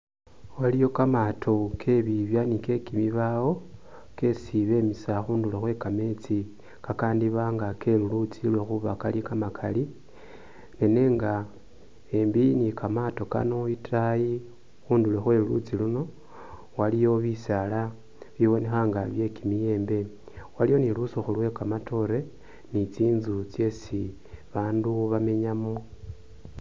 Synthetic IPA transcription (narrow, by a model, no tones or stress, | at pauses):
walijo̞kamatʰo̞kʰe̞βiβjanike̞kimiβawo̞ | ke̞siβe̞misaxuːndulexwe̞kame̞t͡si | kakaːndiβaŋɡake̞lulut͡silwexuβakalikamakʰali | ne̞ne̞ːŋɡa | e̞mbinikamato̞ka̰no̞itaji | xuːndulwexwe̞lulṵt͡siluno̞ | walijo̞βisala | βiβo̞ne̞xaŋɡaβje̞kimije̞ːmbe̞ | walijo̞nilusoxulwe̞kamatʰo̞ɾe̞ | nit͡siːnzut͡sje̞si | βaːnduβame̞ɲamo